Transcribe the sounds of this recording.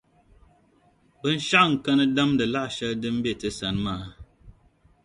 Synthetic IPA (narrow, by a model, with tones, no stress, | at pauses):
bə˦n̩˦ʃa˦ŋ̩˨kə˦nə˦da˦mdə˨la˦ʔʃə˦dɨ˦m̩˦be˦˨tə˦sa˨nmaː˦˨